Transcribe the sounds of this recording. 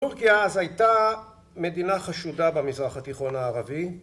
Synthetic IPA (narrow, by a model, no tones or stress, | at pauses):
uʁkiaazhajta | me̞d̪inaχaʃudabamizʁaχat̪iχo̞naːʁavi